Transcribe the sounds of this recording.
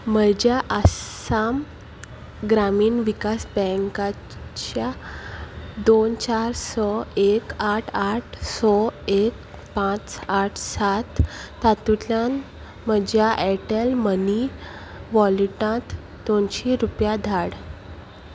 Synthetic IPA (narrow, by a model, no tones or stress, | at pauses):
məd͡ʑjaʔəam | ɡɾamiːnʋikasbɛ̃ŋka | t͡ɕa | d̪ont͡ɕaɾsɔekaʈʰaʈʰsɔek̚ | pãt͡saʈʰsat̪ː | at̪ut̪ljan | məd͡ʑjaʔɛʈəlməni | ʋɔliʈãt̪ | d̪onɕiɾupjad̪ʱaɽ